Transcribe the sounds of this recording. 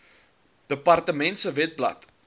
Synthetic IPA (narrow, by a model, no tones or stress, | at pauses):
d̥əpɐrtəmɛntsəvɛt̚blɐ̰t